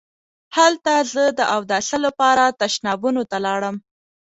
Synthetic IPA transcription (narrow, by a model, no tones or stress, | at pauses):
halt̪azəd̪əʔawd̪ɑsalapɑɾat̪aʃnɑbunot̪alɑɽəm